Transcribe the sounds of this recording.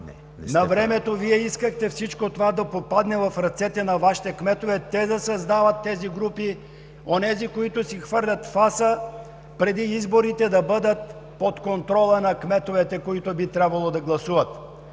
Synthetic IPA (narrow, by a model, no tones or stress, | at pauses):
nɛ̰ | ɛ̰nnɐvɾɛmɛt̪oviɛiskəxt̪ɛfsit͡ʃkot̪ovad̪ɐpopad̪nɛvɐfɾɐt̪sɛt̪ɛnɐvaʃi̥t̪ɛkmɛt̪ovɛt̪ɛd̪ɐsɐzd̪avət̪ːɛziɡɾupi | onɛzikoit̪ʊsixvɤɾlʲɐt̪fasə | pɾɛd̪iizboɾit̪ɛd̪ɐbəd̪ət̪̚ | pot̪kont̪ɾɔlˠənɐkmɛt̪ovɛt̪ɛkoit̪obit̪ɾʲabvɐlˠod̪ɐɡlˠɐsuvət̪